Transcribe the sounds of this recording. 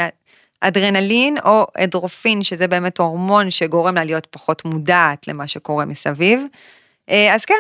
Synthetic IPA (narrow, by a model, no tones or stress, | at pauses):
ʔadʁenalino̞ʔedʁo̞finʃezebeːme̞to̞ʁmo̞nʃeɡo̞ʁe̞mlalijo̞tpaχo̞tmudaːtle̞̰maʃeko̞ʁe̞misaviv | ʔeazke